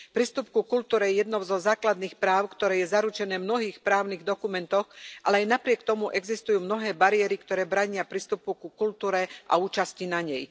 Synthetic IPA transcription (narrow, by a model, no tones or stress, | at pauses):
pɾiːst̪up̚kukult̪uːɾɛjɛjɛd̪nɔʊzɔzaːklad̪niːxpɾaːʊkt̪ɔɾɛːjɛzaɾut͡ʃɛnɛːmnɔɦiːxpɾaːʊniɣd̪ɔkumɛnt̪ɔxʔalɛajnapɾɪɛkt̪ɔmuʔɛɡzist̪ujuːmnɔɦɛːbaɾijɛɾikt̪ɔɾɛːbɾaɲɪapɾiːst̪upukukult̪uːɾɛʔa̰uːt͡ʃascinaɲɛj